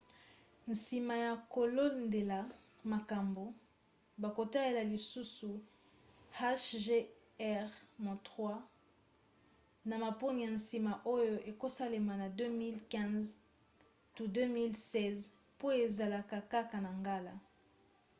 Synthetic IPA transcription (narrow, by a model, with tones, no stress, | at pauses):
n˨si˨ma˨ja˨ko˨lo˦nde˨la˨ | ma˨ka˨mbo˨ | ba˨ko˨ta˦je˨la˨li˨su˦su˨ | ha˦ʃʒe˦ | ɛ˦ʁmɔ̃˨tʁwa˦ | na˨ma˨po˦ni˨ja˨nsi˨ma˨ʔo˦jo˦ʔe˨ko˦sa˦le˨ma˨na˨dø˦mi˦lkɛ̃˦z | tu˦dø˦mi˦lsɛ˦z | po˦e˨za˨la˨ka˨ka˦ka˨na˨ŋɡa˦la˦